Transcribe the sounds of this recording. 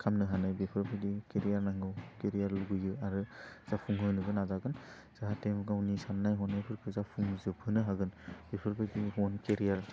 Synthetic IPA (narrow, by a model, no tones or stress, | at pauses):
kʰamnɯɦanajbepʰɯɾpʰajdikeɾijaɾnaŋɡɯwkeɾijaɾluɡɯjɯaɾɯz̥apʰuŋɦɯnɯbɯnazaɡɯn | z̥aɦatemɡawnisamnːajɦɔnːajpʰɯɾkʰɯzapʰuŋzɯbʰɯnɯɦaɡɯnb̥epʰɯɾpʰajdiɦɔnkeɾijaɾ